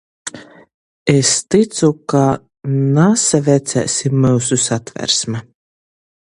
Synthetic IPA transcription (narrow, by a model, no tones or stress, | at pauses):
est̪it̪suka | nasavʲɛt̪sæ̰ːsʲimːɨwsusat̪væ̰ɾsmɛ